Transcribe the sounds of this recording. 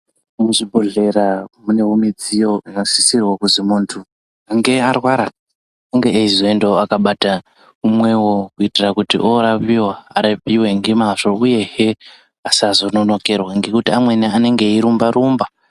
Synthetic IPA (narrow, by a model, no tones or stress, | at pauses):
muʐibʱoɮe̞ɾamune̞umid͡zijo̞unoz̥isirwakuzimuntʰu | aŋɡe̞arwaɾa | aŋɡe̞ːizoendo̞akaɓata | umwe̞wokuitirakutḭʔoɾapiwaːɾepiwe̞ŋɡemaʂo̞uje̞ɦe | asazo̞no̞no̞kerwaŋɡekutiamwe̞niane̞ŋɡe̞iɾumbaɾuːmba